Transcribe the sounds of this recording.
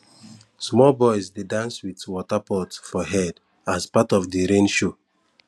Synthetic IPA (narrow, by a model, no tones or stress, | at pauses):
smɔlbɔɪzdedãnswiθwɔtapɔtfɔɦɛd | azpatɔfdiɹẽnʃo